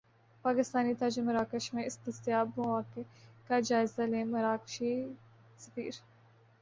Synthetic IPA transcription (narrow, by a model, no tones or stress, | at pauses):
paːkɪst̪aːnit̪aːd͡ʒemɐɾaːkəʃmẽɪst̪ɐst̪ɪjaːbmɐʋaːkekad͡ʒaːɪzaleːmɐɾaːkʃi | sɐ̥fḭːɾ